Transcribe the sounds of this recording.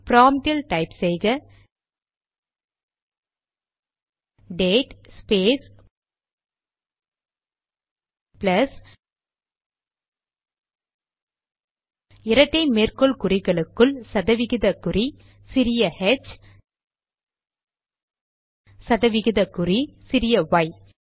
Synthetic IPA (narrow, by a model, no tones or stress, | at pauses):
pɪɾaːmʈɪlʈɐɪpsɛjɣɐ | ɖeːʈspeːs | plɐs | ɪɾɐʈːɐɪmeːrkɔɭkʊrɪɣɐɭɯkːɯɭsɐðɐʋɪɣɪðɐkːɯri | sɪɾɪjɐhɛt͡ʃ | sɐðɐʋɪɣɪðɐkːɯrisɪɾɪjɐʋɐɪ